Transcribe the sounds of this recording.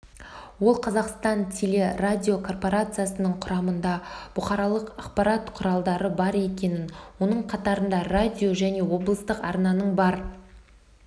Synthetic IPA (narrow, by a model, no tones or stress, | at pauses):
wo̞lˠqʰɑzɑqst̪ɑnt̪ʲʰele̞radʲio̞kʰo̞rpo̞ɾat̪sɨjasənəɴqʰʊɾɑmənd̪ɑb̥ʊχɑɾɑlˠəqɑqpɑɾɑt̪qʰʊɾɑlˠd̪ɑɾəbɑɾe̞kʲe̞nɪnwo̞nəɴqʰɑt̪ɑɾənd̪ɑradʲio̞ʒæne̞wo̞blˠəst̪əqɑɾnɑnəɴbɑɾ